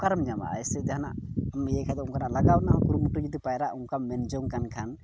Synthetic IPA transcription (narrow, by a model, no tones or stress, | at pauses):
kaɾmd͡ʒama̰ʔa̰jsɛd̪ɛɦna̰ʔmjɛkʰad̪ɔuŋkanalaɡawnaɔkuɾumuʈud͡ʒid̪ipajɾaʔuŋkamɛnd͡ʒɔŋkankʰan